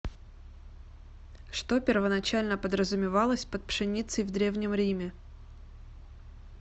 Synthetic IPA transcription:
ʂt̪opʲɪrvənɐt͡ɕælʲnəpəd̪ɾəzʊmʲɪvɑlˠəsʲpət̪̚pʂɨnʲit̪səjvd̪ɾʲe̞vnʲɪmɾʲimʲɪ

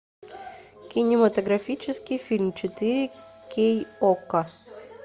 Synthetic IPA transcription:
kʲɪnʲɪmɐt̪əɡɾɐfʲit͡ɕɪskʲɪjfʲilʲmt͡ɕɪt̪ɨɾʲɪkʲejokə

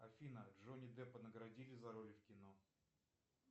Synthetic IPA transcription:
ɐfʲinədʐonʲɪd̪ɛpənəɡɾɐdʲilʲɪzɐɾolʲɪfkʲɪno

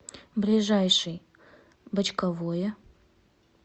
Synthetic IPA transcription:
blʲɪʐajʂɨj | bət͡ɕkɐvojə

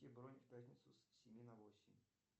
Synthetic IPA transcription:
ɪbɾonʲɪfʲpʲæt̪ʲnʲɪt̪sʊssʲɪmʲinɐvosʲɪmʲ

